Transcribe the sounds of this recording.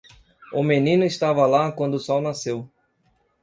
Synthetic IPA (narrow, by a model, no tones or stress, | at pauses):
ʊmenĩnʊist̪avɐlakwɐ̃nd̪ʊsɔwnasew